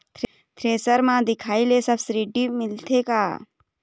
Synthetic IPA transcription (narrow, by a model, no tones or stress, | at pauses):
t̪ʰ | t̪ʰɾeːsəɾmãːd̪ɪkʰaːilesɐbsɾiːʈiːmɪlt̪ʰeːkaː